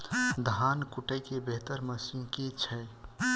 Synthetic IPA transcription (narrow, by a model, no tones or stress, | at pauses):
d̪ʱaːnkuʈəjkebeɦt̪əɾməsiːnket͡ʃʰəj